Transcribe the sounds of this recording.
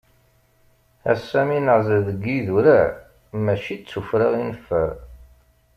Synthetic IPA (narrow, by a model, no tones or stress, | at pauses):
æ̰sːæminəʕzəðəɡːiðuɾæ | mæʃit͡sːufɾaʁinəfːəɾ